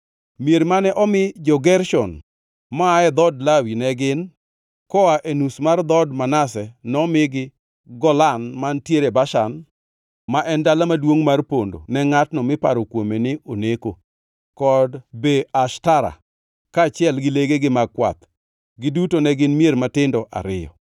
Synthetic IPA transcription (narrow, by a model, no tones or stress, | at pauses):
mjeɾmanɛʔɔmɪd͡ʒɔɡɛɾʃɔn | maaɛd̪ɔdlawinɛɡɪn | kɔaʔenusmard̪ɔdmanasɛnɔmɪɡɪ | ɡɔlanmantjeɾebaʃan | maʔɛndalamadwoŋmarpondo̰nɛŋatnɔmɪpa̰ɾokwomenɪʔoneko | kɔdbeaʃtaɾa̰ | kaːt͡ʃjɛlɡɪleɡeɡɪmaɡ̚kwa̰t̪ | ɡɪdutonɛɡɪnmieɾmatɪndɔʔa̰ɾɪjɔ̰